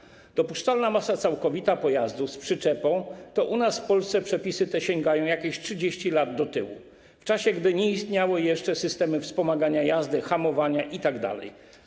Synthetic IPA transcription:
d̪̥ɔpuʂt͡ʂalnamasat̪sawkɔvʲit̪apɔjazd̪uspʂɘt͡ʂɛpɔ̃w̃t̪ɔʔunasfpɔlst̪sɛpʂɛpʲisɘt̪ɛɕɛŋɡajɔ̃w̃jakʲeɕtʂɘd͡ʑeɕt͡ɕilad̪d̪ɔt̪ɘwṵ | ft͡ʂaɕɛɡd̪ɘɲɛist̪ɲawɘjɛʂt͡ʂɛsɘst̪ɛmɘfspɔmaɡaɲajazd̪ɘxamɔvaɲaʔit̪aɡd̪a̰lɛ̰j

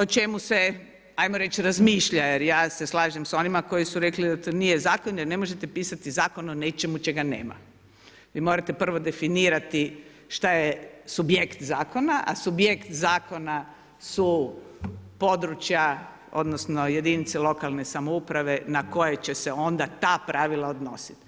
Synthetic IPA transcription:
ot͡ʃe̞muse̞ | ajmoɾe̞t͡ʃɾazmiːʃʎajeɾjaːse̞slˠaːʒemso̞nimako̞jisuɾe̞klid̪at̪onije̞zaːkonjene̞mo̞ʒe̞t̪e̞piːsat̪izaːko̞none̞t͡ʃe̞mut͡ʃe̞ɡanḛːma̰ | ʋiːmo̞ɾat̪e̞pr̩ʋo̞d̪e̞finiːɾat̪i | ʃt̪ajesubjekt̪zaːko̞naʔa̰subjekt̪zaːko̞na | su | po̞d̪ɾut͡ʃja | o̞̰d̪nosno̞je̞d̪init̪selˠo̞kalˠne̞samoupɾaʋe̞nako̞je̞t͡ɕe̞se̞o̞nd̪at̪aːpɾʔaːʋilˠaod̪no̞si̥t̪

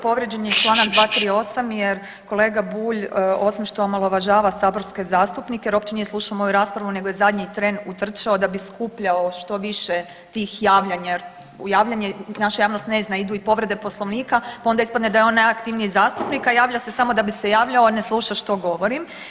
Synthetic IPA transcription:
po̞ʋɾed͡ʑenit͡ʃlˠaːnaɡd̪ʋaːt̪ɾiːo̞samjeɾ | ko̞lˠeɡabuːʎo̞simʃt̪o̞omalˠoʋaʒaːʋasaːbo̞ɾske̞zaːst̪upnikejeɾo̞pt͡ɕenijeslˠuːʃaomo̞juɾaːspɾaʋune̞ɡojezad̪ɲit̪ɾe̞nut̪r̩t͡ʃaod̪abiskupʎaoʃt̪o̞ʋiʃe | t̪ixjaːʋʎaɲajeɾ | jaːʋʎʲaɲenaʃajaːʋnost̪neznaid̪uːipo̞ʋɾe̞d̪e̞po̞slˠo̞ʋniːkapao̞nd̪aispad̪ned̪ajeo̞nːajakt̪iʋniizaːst̪upnikajaːʋʎase̞samo̞d̪abisejaːʋʎaone̞slˠuːʃaʃt̪o̞ɡo̞ʋo̞ɾim

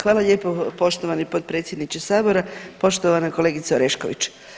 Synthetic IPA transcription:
xʋaːlˠaʎeːpopo̞ʃt̪oʋanipot̪̚pɾet̪sʲjed̪nit͡ʃesaːbo̞ɾapo̞ʃt̪oʋanakole̞ːɡit̪saoɾeʃko̰ʋḭt͡ʃ

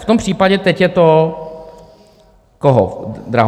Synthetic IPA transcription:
ft̪ompr̥iːpaɟɛt̪ɛcjɛt̪o | koɦo̰d̪ɾaɦ

